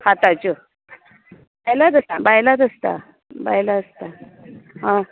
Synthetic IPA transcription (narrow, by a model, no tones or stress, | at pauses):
hat̪at͡ɕə | bajlad̪əsabajlad̪əst̪a̰ | ba̰jlaəst̪aɦã